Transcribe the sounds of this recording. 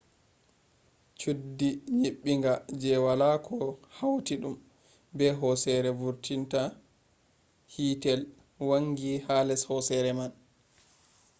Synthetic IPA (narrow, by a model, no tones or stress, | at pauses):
t͡ʃudːiɲiɓːiŋɡad͡ʒɛwalakʰɔhawtiɗum | bɛɦɔsɛɾɛvuɾtinta | hiːtɛl | waŋːɡihalɛshɔsɛɾɛman